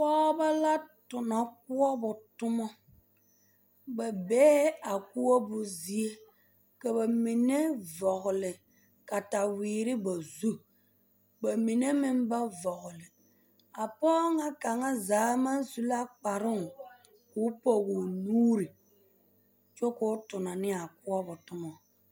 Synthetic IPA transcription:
pɔː˦ba˦la˦tʊ˨nɔ˨k̚ʊ˦ɔ˦bʊ˨tʊ˦mɔ˦ | ba˨bɛː˦a˨ku˦wo˦bʊ˨zi˦e˦ | ka˨ba˨mi˨ne˦vɔ˨ɣʊ˨lɪ˨ | ka˨ta˨wiː˨ɾɪ˦ba˨zu˦ | ba˨mi˨ne˦mɪ˦m˦ba˦vɔ˨ɣʊ˨lɪ˨ | a˨pɔː˦ŋa˦ka˨ŋa˦zaː˨˦ma˦zu˨la˦k͡pa˨ɾɪ˦ŋ˨ | kʊ˦pɔ˦ɣʊ˨nuː˦ɾɪ˨ | t͡ʃo˦kʊ˦tʊ˨na˨nɪ˦a˨kʊ˦ɔ˦bʊ˨tʊ˦mɔ˨

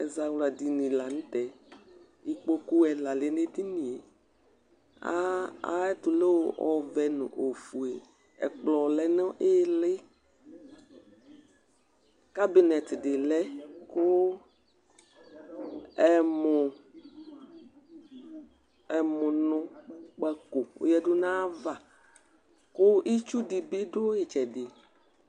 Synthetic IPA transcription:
ɛ̰˨za˨wla˨d̪i˨nĩ˨la˨nũ˦t̪ɛ˨ | i˦k͡po˦ku˦ɛ˨la˨le˦ne˦t̪i˦nĩ˨e˨ | a̰˦a̰˦ɛ˦t̪ʊ˨le˦wo˦ʔɔ˨vɛ˨nʊ̰̃˨ʔo˨fu˨e˨ | ɛ̰˨k͡plɔ˨lɛ˦nɔ̃˦ʔe˦lɪ˦ | ka˦bi˨nɛ˨t̪ɖɪ˨lɛ˦ko˦ | ɛ˨mʊ˨ | ɛ˨mʊ̃˨nʊ̃˦k͡pɛ˦ko˨wo̰˦jɛ˦do˦nã˦va˨ | ko˦ʔi˦t͡ʃu˦ɖi˨bi˦ɖo˦je˨t͡ʃɛ˨dɪ˨

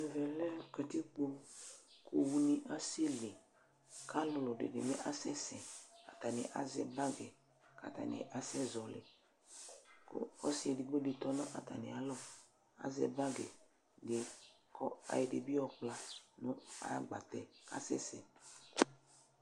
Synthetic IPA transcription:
ɛ˨vɛ˨lɛ˦kɛ˨t̪i˦k͡po˦kʰo˨wu˦ni˨ʔa˦se˦le˨ | kʰa˦lɔ˨lɔ˨dḛ˨dɪ̰˨mɛ˦ʔa˦sɛ˦sɛ˨a˨t̪a˨nɪ̰̃˨ʔa̰˨zɛ̰˦ba˦ɡɛ˨ | ka̰˨t̪a̰˨nɪ̰̃˨ʔa˨sɛ˦zɔ˨le˨ | ko̰˦ɔ˦si˦ɛ˨di˨ɡ͡be˦de˨t̪ɔ˦nɔ̃˦ʔa˨t̪a˨nɪ̰˨a˨lɔ˦ | a̰˦zɛ̰˦ba˦ɡɛ̰˨ | ɡe˨ | kʰɔ˦a̰˨jɛ˨de˨bi˦ɔ˨k͡pla˦nʊ̃˦a̰˨˦ɡ͡ba˨t̪ɛ˨ka̰˦sɛ̰˦sɛ˨

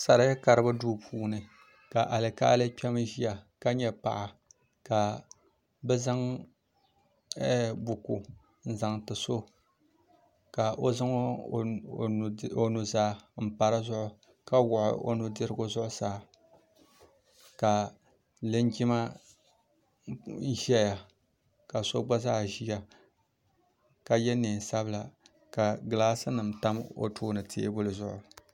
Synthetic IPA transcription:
sa˨ɾa˨˦jɛ˦ka˨ɾɨ˦ba˦duː˦pʰuː˦nɨ˨ | ka˨ʔa˨lɨ˨ka̰ː˦lɨ˦pʲɛ˦m˦ʒi˦ja˨ka˦ɲɛ˦pa̰˨ʔa˨ | ka˨ | bɛ˦za˦ŋ | ɛ˦bʊ˨ku˨ | n̩˦za˨ŋtɨ˨so˦ | ka˨ʔo˦za˦ŋ˦˨ | o˨nu˨zaː˦˨m̩˨pa˨ɾa˦zʊ˦ʔʊ˦ | ka˦wʊ˨ʔʊ̰˦ʔo̰˦nʊ˦dɨ˦ɾɨ˦ɡʊ˦zʊ˦ʔʊ˦saː˨˦ | ka˨ | lɨ˦n˦d͡ʒi˦ma˦ | ʒɛ˦ja˨ | ka˨so˦ɡ͡ba˦zaː˦˨ʒi˦ja˦˨ | ka˨jɛ˦ni˨n˨sa˦bla˨ | ka˨ɡɨ˨laː˦sɨ˦nɨ˨mta˦mo̰˨tʰuː˦nɨ˨tʰḛ˦e˦bʊ˦lɨ˨zʊ˦ʔʊ̰˨

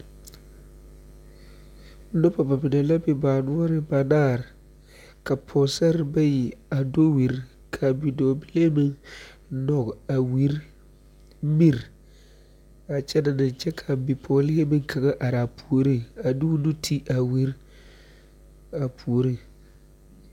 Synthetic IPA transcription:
no˦pa˨ba˨bɪ˨da˨la˦bɪ˨ba˨nʊ˦ɔ˦ɾɪ˨ba˨naː˦˨ɾ | ka˨pʰɔ˨sa˦ɾba˦ji˨a˨do˦wi˨ɾ | kʰa˨bi˨doː˨bɪ˦le˦mɪ˦n | nɔ˨ɡa˨wi˦ɾ | mi˦˨ɾ | a˨t͡ʃɛ˦na˨nɪ˨n˨t͡ʃɛ˦kʰa˨bi˨pʰɔ˨˦lɪ˦e˦mɪ˦ŋ˦kʰa˨ɡa˦ʔa˨ɾa˨pʰu˨o˨ɾi˦a˨dɪ˦wu˦nu˦tʰi˦ʔa˨wi˦ɾ | a˨pʰu˨o˨ɾi˦

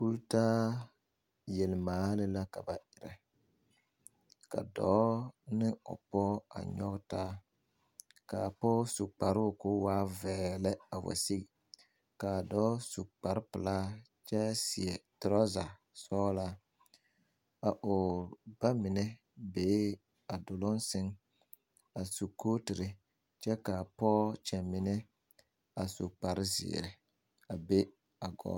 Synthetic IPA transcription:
u˦ɾtaː˦ | jɛ˨lmaː˨˦lɪ˦la˦ka˨ba˨ʔɪ˨ɾɛ˨ | ka̰˨dɔː˨˦nɪ˦ɔ̰˨pɔ˦a̰˨ɲɔ˦ɡtaː˦ | ka˨pɔ˦su˨k͡pa˨ɾʊ˦˨kʊ˦waː˦vɛː˨lɛ˦a˨wa̰˨si˦ɡi˨ | kaː˨dɔː˨˦su˨k͡pa˨ɾpɨ˨la˦ | t͡ʃɛ˦sɪ̰˨ɛ˨tɾɔ˦za˨ | sɔː˦la˦ | a˨ʔo˨b̥a˦mɪ˨nɛ˦ | beː˨˦ | a˨dʊ˨lʊ˦nsɪ˦ŋ | a˨su˨kʰo˦tɪ˨ɾɪ˨ | t͡ʃɛ˦ka˨pɔː˦t͡ʃɛ˨mɪ˨nɛ˦ | a˨su˨k͡pa˨ɾɪ˦zɪ̰ː˨ɾɪ˨ | a˨be˦ | a˨ɡɔ̰ː˦

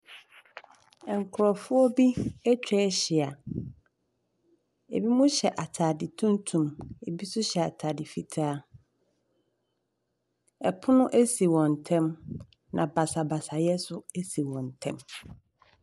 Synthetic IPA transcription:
ɛ˨ŋ˨kʰʊ˨ɾɔ˨fʊ˦ɔ˦bi˦ɛ˦t͡ɕʰᶣɛ˦ɕi˨a˨ | ḛ˨bi˦mũ˦ɕɛ˨ʔa˨tʰaː˨dɪ˨tʰũ˦ntʰũ˨me˨bi˦sʊ˦ɕɛ˨a˨tʰaː˨dɪ˨fi˨tʰaː˦ | ɛ˨pʰʊ˦nʊ̃˦ʔæ˦si˨wɔ̃˨ntʰɛ̃˦m | nã˨ba˨sa˨ba˨sa˨jɛ˦sʊ˦e˦si˨wɔ̃˨ntʰɛ̰̃˦m

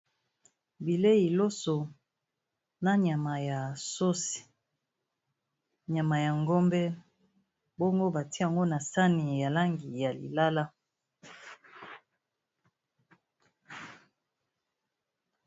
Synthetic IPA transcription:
bi˨le˦i˨lo˦so˨ | na˦ɲa˨ma˨ja˨so˦si̥˨ | ɲa˨ma˨ja˨ŋɡo˦mbɛ˦ | bo˦ŋɡo˦ba˨ti˦a˨ŋɡo˦na˨sa˦ni˨ja˨la˦ŋɡi˨ja˨lḭ˨la˦la˦

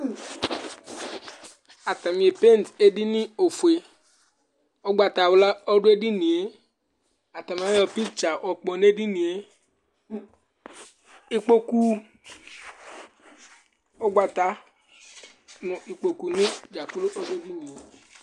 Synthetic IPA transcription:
a˨t̪a˨mĩ˨e˨pe˦˨n˨te˦di˦nĩ˦o˨fu˨e˨ | ɔ˦ɡ͡ba˨t̪a˨wla˦ɔ˦ɖʊ˦e˦di˦nĩ˨e˦ | a˨t̪a˨m˨a˦jɔ˧˨pi˦t͡ʃa˨ʔɔ˨k͡pɔ˨ne˦di˦nĩ˨e˦ | i˦k͡po˦ku˦ | ɔ˦ɡ͡ba˨t̪a˧ | nʊ̃˨i˨k͡po˦ku˨nĩ˦d͡ʒa˨ku˦lo˦ʔɔ˦dʊ˦e˦di˦nĩ˨e˨

